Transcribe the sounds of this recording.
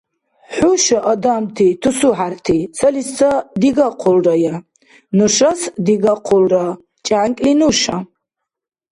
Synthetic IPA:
ħʊʃaʔɐd̪amtʰitʰusuħartʰisɐlist͡sɐd̪iɡaqʰʊlraja | nuʃasd̪iɡaqʰʊlra | t͡ʃʼaʕaŋkʼlinuʃa

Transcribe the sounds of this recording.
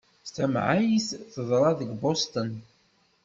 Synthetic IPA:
st̪æmʕajisθəðˤɾˤɑðəɡbost̪ən

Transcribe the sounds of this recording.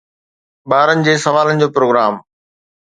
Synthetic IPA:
ɓaːɾənɪ̆d͡ʑeːsɐʋaːlənɪ̆d͡ʑoːpɾoːɡɾaːm

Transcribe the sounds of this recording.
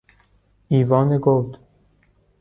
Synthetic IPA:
iːvɒːneɡowd̪

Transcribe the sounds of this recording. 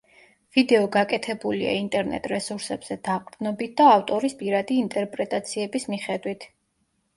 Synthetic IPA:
vid̪ɛɔɡakʼɛt̪ʰɛbulḭa̰int̪ʼɛɾnɛ̰t̪ʼɾɛsuɾsɛbz̥ɛd̪̥aqʼɾd̪nɔbit̪̚d̪̥aːft̪ʼɔɾispʼiɾad̪iːnt̪ʼɛɾpʼɾɛt̪ʼat̪sʰiɛbismiχɛd̪wit̪ʰ

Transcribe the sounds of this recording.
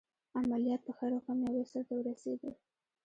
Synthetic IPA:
amalijɑt̪̚pəxaɾoxɑmjɑwesaɾt̪awəɾased̪əl

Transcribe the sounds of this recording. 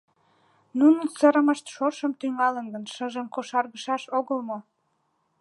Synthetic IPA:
nunənsəɾəməʃt̪ʃoʃəmt̪yŋɑlənɡənʃəʒəmkoʃɑrɣəʃɑʃoɣəlmo

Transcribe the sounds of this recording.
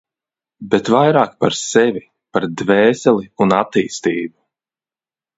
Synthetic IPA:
bɛt̪vajɾaːk̚paɾsɛvʲi | paɾd̪vɛːsɛliunat̪ːiːst̪iːbu

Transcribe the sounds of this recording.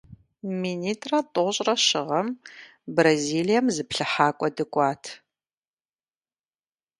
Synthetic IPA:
miːniːtʼrɐtʼoɕʼrɐʃɪʁɐm | braziːlijɐmzɨpɬɨħaːkʷʼɔdɨkʷʼɑːtʰ

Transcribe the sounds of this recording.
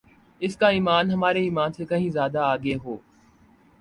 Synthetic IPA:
ɪskaiːmaːnɦɐmaːɾeiːmaːnsekɐɦĩzjaːd̪aaːɡeːɦoː

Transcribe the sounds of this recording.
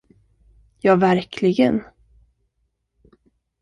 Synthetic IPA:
jɑːvæɾkʰlɪɡən

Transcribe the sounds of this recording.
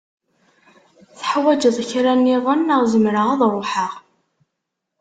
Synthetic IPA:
θə̥ħwæd͡ʒəðˤçɾænːiðˤənəʁzəmɾəʁɑðˤɾˤoħəʁ

